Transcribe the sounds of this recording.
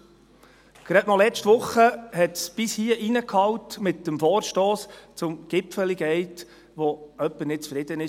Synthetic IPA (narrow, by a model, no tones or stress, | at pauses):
ɡ̥ɾɛtmɑlɛt͡ʃtʋʊχːəhɛtsb̥ɪshiəʔinəkʰhɑwtmɪtːəmfɔːɾʃtɔːst͡sʊmɡ̥ɪpfəliɡɛɪt | ʋɔœpːənɪt̚t͡sfɾɪdənɪ